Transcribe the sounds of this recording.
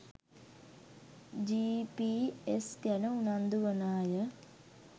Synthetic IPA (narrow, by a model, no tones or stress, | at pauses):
d͡ʒiːpiːesɡænəunand̪uʋənaːjə